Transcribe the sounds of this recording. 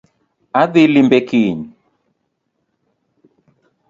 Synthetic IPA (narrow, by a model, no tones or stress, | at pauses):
aðilimbɛkiɲi